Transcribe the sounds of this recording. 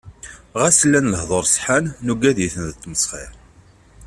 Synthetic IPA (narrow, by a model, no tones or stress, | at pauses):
ʁasəlːænləhðˤoɾˤsˤħanːuɡæðjiθənðt̪ːməsˤχɪɾ